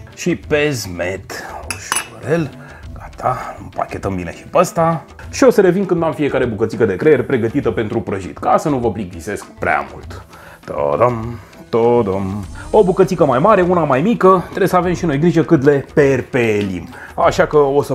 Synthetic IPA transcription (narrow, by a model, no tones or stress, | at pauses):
ʃipezmet̪oʃuɾel | ɡat̪ʰampa̰kʲe̞t̪əmbine̞̰ʃi̥pəst̪a | ʃio̞səɾe̞vinkɨnd̪amfie̞kaɾe̞bukət̪sikəd̪e̞kɾejeɾʲpɾe̞ɡət̪it̪əpe̞nt̪ɾupɾəʒḭt̪kasənuvəplik̚vise̞skpɾea̰mṵlt̪ | ə̰d̪om | t̪od̪omobukət̪sikəmajmaɾe̞unamajmikət̪ɾebesəave̞mʃino̞jɡɾiʒekɨnle̞perpelḭm | aʃakəo̞sə